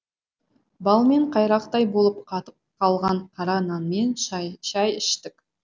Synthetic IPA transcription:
bɑlˠme̞ɴqʰɑjɾɑqt̪ɑjbo̞lˠəpqʰɑt̪əp̚qʰɑlˠʁɑɴqʰɑɾɑnɑnme̞nʃɑjɪʃt̪ɪk

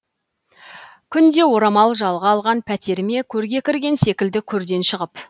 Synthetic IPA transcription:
kʲʰʏnd̪e̞wo̞ɾɑmɑlˠʒɑlˠʁɑɑːlˠʁɑnpʰæt̪ʰe̞ɾme̞kʲʰɵɾɡʲe̞kʲɪɾɡʲe̞nse̞kʲɪld̪ɪkʲʰɵɾd̪e̞nʃəʁəp

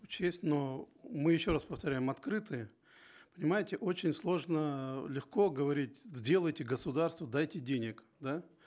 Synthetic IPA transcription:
ʊt͡ɕesʲtʲno | mɨjɪɕːo̞ɾaspəft̪ɐɾʲæjɪmɐt̪kɾɨt̪ɨjə | pənʲɪmajɪtʲɪʔo̞t͡ɕɪnʲslˠo̞ʐnəlʲɪxko̞ɡəvɐɾʲitʲzʲdʲe̞lˠəjtʲɪɡəsʊd̪arst̪vəd̪ajtʲɪdʲenʲɪk | d̪a

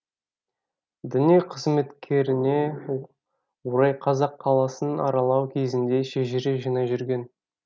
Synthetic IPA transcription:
d̪ʏnieqʰəzme̞t̪kʲʰe̞ɾɪne̞ | woɾɑjqʰɑzɑqʰːɑlˠɑsənɑ̰ɾɑlˠɑwkʲʰe̞zɪnd̪e̞ʃeʒɪɾeʒijnɑʒʏɾɡʲe̞n

